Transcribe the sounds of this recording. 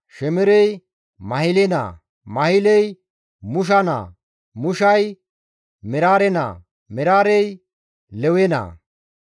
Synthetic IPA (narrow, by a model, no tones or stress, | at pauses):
ʃɛmɛɾɛj | mɐhɪlɛna̰ː | mɐhɪlɛj | mʊʃ̬ɐna̰ː | mʊʃɐj | mɪɾaːɾɛna̰ː | mɪɾaːɾɛj | lɛwɛna̰ː